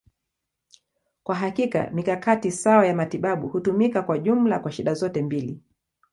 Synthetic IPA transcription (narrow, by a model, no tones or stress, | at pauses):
kwaɦakika̰mikakatisawajamatiɓaɓuhutumikakwaʄum̩lakwaʃiɗazɔtɛmbili